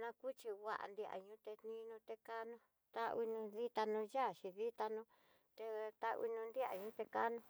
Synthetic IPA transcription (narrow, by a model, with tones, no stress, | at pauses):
nã˧ku˦t͡ʃi˧wʷa̰˦˧ʔa̰˧nd̪i˧ʔa̰˨ɲũ˦t̪e˧nĩ˧nũ˧t̪e˧ka˦nũ˧ | t̪a˦˧i˧nũ˧ði˦t̪a˧nũ˧ja˦˨ʃi˧ði˦t̪a˧nũ˧ | t̪e˧t̪a˧ḭ˧nũ˧nd̪i˦a̰˨ɲũː˦t̪e˧ka˦nũ˧